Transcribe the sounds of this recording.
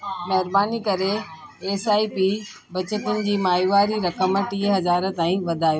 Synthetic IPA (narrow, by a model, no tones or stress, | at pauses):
mɐɦɪɾbaːnikɐɾeː | saːipiː | bɐt͡ɕət̪ʊnɪ̆d͡ʑiːmaːjuʋaːɾiɾɐkəmʈiːɦɐzaːɾ̆t̪aːĩʋɐd̪ʱaːjoː